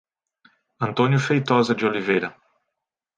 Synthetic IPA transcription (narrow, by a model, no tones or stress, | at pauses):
ɐ̃nt̪õnjʊfejt̪ɔzɐd͡ʒɪolivejɾɐ